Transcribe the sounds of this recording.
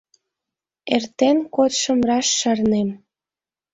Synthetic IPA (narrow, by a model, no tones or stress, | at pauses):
ert̪enkot̪ʃə̆mrɑʃːɑrnem